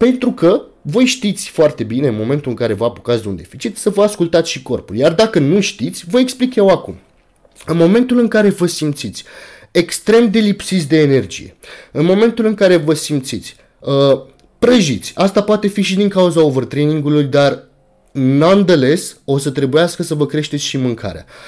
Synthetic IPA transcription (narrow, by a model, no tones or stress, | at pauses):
pe̞nt̪ɾukəvo̞jʃt̪it̪sʲfoart̪e̞bineɨnmo̞me̞nt̪ulɨŋkaɾe̞vəapokat̪sd̪eṵnd̪e̞fit͡ʃit̪səvəaskult̪at̪sʃiko̞rpuljard̪akənuʃt̪it̪sʲvəeksplikje̞wakum | ɨnmo̞me̞nt̪ulɨŋkaɾe̞vəsimt̪sit̪sʲ | e̞kst̪ɾe̞md̪e̞lipsit̪s̬ʲd̪e̞ːne̞rd͡ʒḭje̞̰ɨnmo̞me̞nt̪ulɨŋkaɾe̞vəsimt̪sit̪sʲ | ə | pɾəʒit̪sʲast̪apoat̪e̞fiʃ̬id̪iŋkauzaovərt̪ɾeniŋɡulujd̪ar | nand̪ele̞so̞sət̪ɾe̞bujaskəsəvəkɾe̞ʃt̪esʃimɨŋkʰa̰ɾea̰